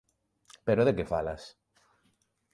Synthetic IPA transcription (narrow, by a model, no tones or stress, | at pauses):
peɾoðekefala̰s